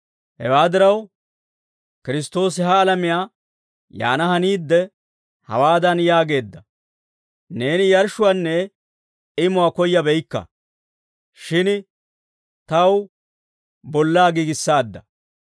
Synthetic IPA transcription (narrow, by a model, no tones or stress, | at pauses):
hɛ̰waːd̪ɪɾɐw | kɪɾɪst̪o̞ːs̬ɪɦɐːlɐmɪjaː | ja̰ːnɐɦɐniːd̪ːɛ | hɐ̰waːd̪ɐnjaːɡe̞ːd̪ːɐ | ne̞ːnɪjɐɾʃʊwanːɛ | ɪmʊwakɔjːɐbɛjkːɐ̰ | ʃɪn | t̪ɐw | bɔlːaːɡiːɡɪsːaːd̪ːɐ